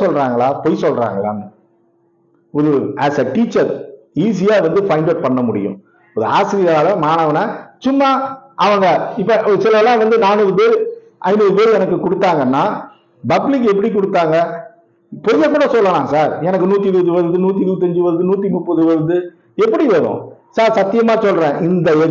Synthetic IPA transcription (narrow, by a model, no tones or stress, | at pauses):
sɔlɾaːŋɡɐɭaːpɔjsɔlra̰ːŋɡɐɭa̰ːn | ɔɾɯæːsɐʈiːt͡ʃːɐɾ | iːs̬ɪjaːʋɐnd̪ɯfɐɪɳɖɐʈ̚pɐɳːɐmʊɽɪ̰jʊ̰̃ | ɔðɯa̰ːsɪɾɪjaːlɐmaːnɐʋɐnasʊmːaʔɐʋɐŋɡɐɪpːɐsɪlɐʋlãːʋɐnd̪ɯnaːnɯːðɯpeːɾɯ | ʔɐɪnuːðɯpeːɾɛnɐkːɯkʊɽɯt̪ːaːŋɡɐnːaː | bɐblɪk̬ːɛp̬ːɐɽikʊɽɯt̪ːaːŋɡɐ | pɔɾɪjɐkːuːɽɐsɔlːɐlãːsaːɾɛnɐk̬ːɯnuːt̪ːiɪɾɯʋɐðɯʋɐɾɯd̪ɯnuːt̪ːiɾɯːt̪̬ːiɐɲd͡ʒɯʋɐɾɯðɯnuːt̪̬ːimʊpːɐðɯʋɐɾɯd̪ɯ | ɛpːɐɽiʋɐɾʊ̰̃saːɾsɐt̪ːɪjɐmaːsɔlːɾẽːʔɪnd̪ɐɛ